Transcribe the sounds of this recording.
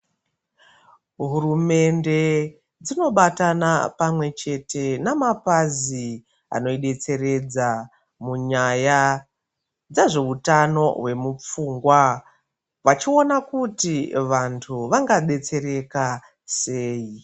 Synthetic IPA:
ɦurume̞nde̞ | d͡zino̞ɓatanapamwe̞t͡ʃe̞te̞namapazi | a̰no̞iɗe̞t͡se̞ɾe̞d͡za | muɲaja | d͡zaʐe̞utano̞ɦwe̞mup͡fuːŋɡwa | ʋat͡ʃio̞nakutiʋantʰuʋaŋɡaɓe̞t͡se̞ɾe̞ka | se̞ːji

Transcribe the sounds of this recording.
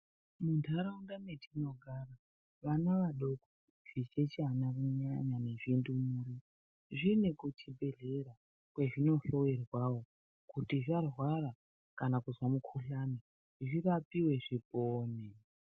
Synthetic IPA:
mundʰʱaɾaundametʰino̞ɡʱara | ʋanaʋaɗo̞ko | ʐ̥it͡ʃet͡ʃanakuɲaɲane̞ʐindumuːri | ʐinekut͡ʃibʱe̞ɮe̞ɾa | kwe̞ʐino̞ɬo̞werwawo̞ | kutiʐarwara | kanakuzwamukʰuɬani | ʐirapiwe̞ʐipoːne

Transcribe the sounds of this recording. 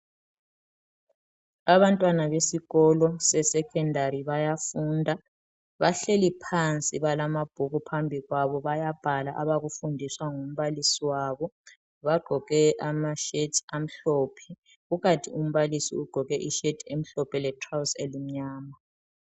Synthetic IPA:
aβantʼwanaβesiɣɔlɔsɛsɛkʰɛndʱariβajafuːndʱa | βaɬelipʰant͡sʼiβalamab̥ʱuɣupʰambʱiɣwaβɔβajab̥ʱalaʔaβaɣufundʱiswaŋum̩βalisiwaːβɔ | βaɡ͡ǃ̥ʱɔɣ̥ɛʔamaʃetʰam̩ɬɔːpʰɛ | ɣuɣatʰium̩βalisḭuɡ͡ǃ̥ʱɔɣɛʔiʃetʰem̩ɬɔpʰɛlɛtʰrawselim̩ɲaːma

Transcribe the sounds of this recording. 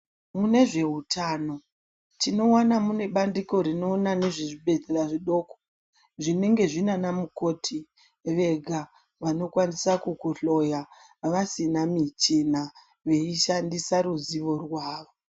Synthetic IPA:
mune̞ʐe̞ɦutʰano̞ | tino̞wanamune̞ɓandiko̞ɾino̞nane̞ʐiʐiɓe̞d͡zeɾaʐiɗo̞ko̥ | ʐine̞ŋɡe̞ʐinanamukoːtʰi | ʋe̞ɡʱa | ʋano̞kwanisakukuɬo̞ja | ʋasinamit͡ʃina | ʋe̞iʃandisaɾuziʋo̞rwaːʋo

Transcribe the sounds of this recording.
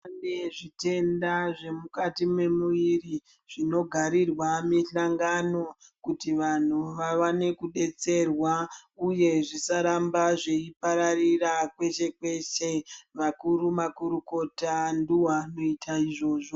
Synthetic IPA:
aneʐite̞ndaʐe̞mukatimwe̞muiri | ʐ̥ino̞ɡʱaɾirwamiɬaŋɡano̞kutiʋan̤uʋaʋane̞kuɗe̞t͡se̞rwauje̞ʐisaɾambaʐeipaɾarirakwe̞t͡ʃe̞kwe̞ʃeʋakuɾumakuɾuko̞tanduwano̞itʰaiʐo̞ːʐo

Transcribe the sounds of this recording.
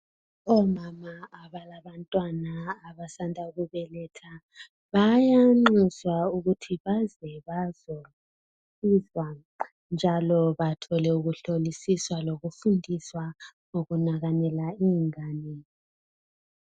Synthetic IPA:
ɔmamaaβalaβantʼwanaːβasandʱauɣuβɛlɛtʰa | βajaŋ͡ǃizwauɣutʰiβazɛβazo | sizwa | nd͡ʒʱalɔβatʰɔlɛuɣuɬolisiswaloɣufundʱiswaŋoɣunaɣanɛlaiŋaːnɛ

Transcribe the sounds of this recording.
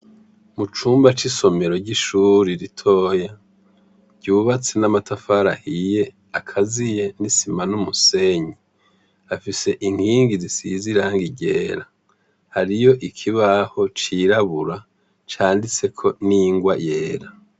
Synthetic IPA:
mut͡ʃuːmbat͡ʃiso̞me̞ɾoɟiʃuːɾiɾitʰo̞ːja | ɟ̥uːβat͡se̞namatafaɾahije̞ | akʰazije̞nisimanumuse̞ɲi | afise̞ʔiŋ̥hiːŋɡizisiziɾaːŋɡiɟe̞ːɾa | haɾijo̞ʔikʰiβaho̞t͡ʃiɾaβuɾa | t͡ʃaːndit͡se̞kʰo̞niŋɡwaje̞ːɾa

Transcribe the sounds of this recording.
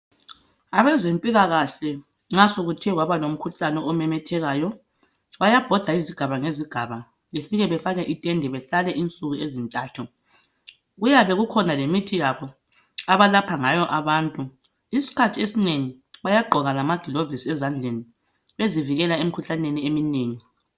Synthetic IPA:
aβɛzempʼiɣaɣaɬɛ | ŋ͡ǁasoɣutʰiɛwaβalom̩kʰuɬanɛɔmɛmɛtʰɛɣaːjɔ | βajab̥ʱɔd̥ʱaiziɡ̥ʱaβaŋeziɡ̥ʱaβa | βefiɣɛβɛfaɣɛʔitʼɛndʱɛβɛɬalɛʔint͡sʼuɣuezintʼaːtʰu | ɣujaβɛɣukʰɔnalemitʰijaβɔ | aβalapʰaŋajɔʔaβaːntʼu | isi̥kʰatʰiesineŋi | βajaɡ͡ǃʱɔɣalamaɡ̥ʱilovisɛzand͡ɮʱeni | βeziviɣɛlaem̩ikʰuɬaneniemineːŋi

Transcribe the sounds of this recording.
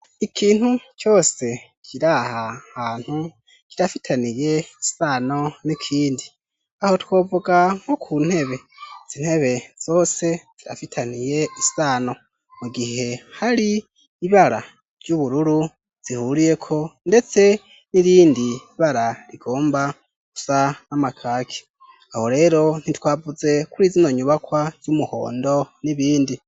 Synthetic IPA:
ikʰiːn̥hut͡ʃo̞ːse̞ | kʰiɾahahaːn̥hu | kiɾafitʰanije̞isaːno̞nikʰiːndi | aho̞two̞ːvoɡaŋ̥okʰuːn̥he̞βe̞z̥in̥he̞βe̞z̥o̞ːse̞z̥iɾa̰fitʰanije̞isaːno̞ | muɡihe̞haɾiː | βaɾa | ɾjuβuɾuɾu | z̥ihuɾije̞kʰo̞nde̞t͡se̞ | niɾiːndiβaɾaɾiɡo̞ːmba | ku̥sanamakʰaːkʰi̥ | ahoɾe̞ːɾo̞n̥itwaːvuze̞kuɾiːzino̞ɲuβakwaz̥umuho̞̰ːndo̞niβiːndi

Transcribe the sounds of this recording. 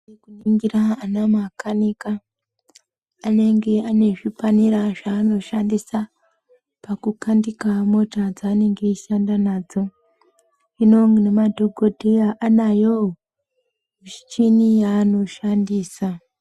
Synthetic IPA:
ekuniŋɡiɾaanamakanika | ne̞ŋɡe̞ane̞ʐipaniɾaʐaːno̞ʃandisa | pakukandikamo̞tad͡zaːne̞ŋɡe̞iʃandanaːd͡zo̞ | ino̞ŋnemadʱoɡʱodʱejaʔanajo | muʃi̥t͡ʃinijaːno̞ʃandiːsa

